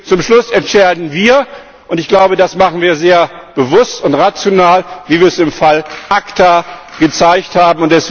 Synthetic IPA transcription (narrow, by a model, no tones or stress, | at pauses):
t͡sʊmʃlʊsɛntt͡ʃɛɐdn̩viːɐ | ʔʊntɪçɡ̥laʊbədasmaχn̩viːɐzeːɐb̥əvʊstʊntʁat͡sjonaːlviːviːɐɛsɪmfalʔaktaɡ̥ət͡saɪçthaːbm̩ʊntd̥ɛs